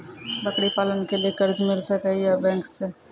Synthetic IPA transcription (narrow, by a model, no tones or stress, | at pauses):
bəkɽipaːlənkeliekɐɾd͡ʒmɪlsəkɛjabɛ̃ːŋkse